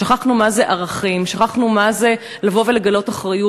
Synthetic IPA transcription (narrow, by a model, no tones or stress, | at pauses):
aχaχnumazeʔaʁaχimʃaχaχnumaze | lavo̞ve̞leɡalo̞taχʁaju